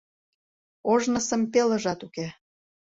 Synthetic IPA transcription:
oʒnɤsə̆mpelə̆ʒɑt̪uke

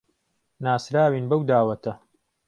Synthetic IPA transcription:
naːsɾaːwiːnbɐwd̪aːwɐt̪ʰɐ

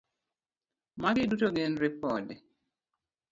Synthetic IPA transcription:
maɡɪdutoɡenɾɪpɔdɛ

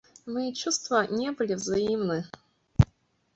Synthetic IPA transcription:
mɨt͡ɕust̪vənʲebɨlʲɪvzɐimnɨ

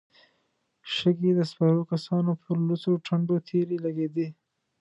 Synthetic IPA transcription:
ʃəɡed̪əspaɾokasɑnopʰəɾlut͡soʈʰaɳɖot̪ʰeɾelaɡed̪i

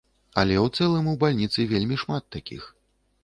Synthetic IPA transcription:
ɐlʲɛwt̪sɛlˠɨmuwbalʲnʲit̪sɨvʲelʲmʲiʂmat̪ːakʲḭx

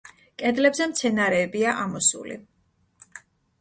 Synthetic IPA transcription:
kʼɛd̪lɛbzɛmt̪sʰɛnaɾɛːbiaʔamɔsṵlḭ

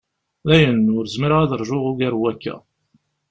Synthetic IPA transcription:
læjənʊɾzmiɾæðəɾˤʒʊʁʊɡæɾwækːæ̰

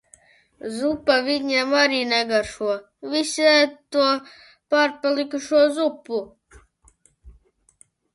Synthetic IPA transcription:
zupaviɲɛmaɾiːnɛɡaɾʃuɔ | visʲɛt̪uɔ | paɾpalˠikuʃuɔzupːu

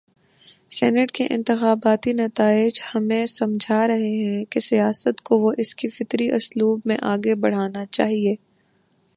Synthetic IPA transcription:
sɛ̰ːnəʈkeʔɪ̰̃nt̪ɪxaːbaːt̪inɐt̪aːɪd͡ʒhɐmẽsɐmd͡ʒʱaɾɐɦeɦɛ̃kesijaːsət̪koʋoʔɪskifɪt̪ɾiʔʊsluːbmẽʔaːɡebɐɽ̤aːnat͡ʃa̰ːɦieː

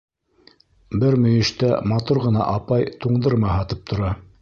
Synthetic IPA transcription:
bɘɾmɵ̆jɘ̆ʃt̪æ̰mɑt̪uɾʁɤ̆n̪ɑ̰ʔɑpɑjt̪uɴd̪ɤɾmɑhɑt̪ɤp̚t̪ʰŏɾɑ

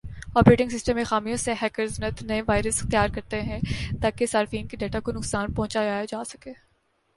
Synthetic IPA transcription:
ɔːpɾeːʈɪ̃ŋɡsɪsʈə̃mːẽxaːmijõseɦɛːkəɾznət̪nɐeʋaːɪɾəsɪ̥xt̪jaːɾkɐɾt̪eɦɛ̃t̪aːkesaːɾfiːnkiɖeːʈakonʊksaːnpɔ̃ɦʊ̃t͡ʃad͡ʒaːjad͡ʒaːsɐkeː

